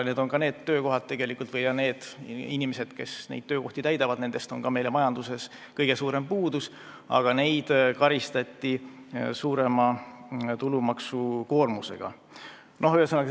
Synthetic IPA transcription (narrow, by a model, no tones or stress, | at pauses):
ne̞ːd̪̥o̞nkɑne̞ːd̪t̪ːø̞ːko̞ɦɑd̪̥̚t̪ːe̞ɡ̥e̞likːˑult̪vɤjkɑne̞ːd̪̥inʲimese̞d̪̥ke̞snḛjd̥̪̚t̪øːko̞ht̪it̪æjd̪ɑvɑd̪ne̞nd̪e̞st̪o̞nkɑme̞jlemɑjɑnd̪use̞s | kɤjɡe̞suːɾe̞mpuːd̪us | ɑ̰ɡ̥ɑne̞jd̪̥kɑɾist̪ɑt̪ʲːisuːɾe̞mɑt̪ulumɑksuko̞ːrmuse̞̰ɡ̥ɑ̰ | no̞ɦyhesɤnːɑk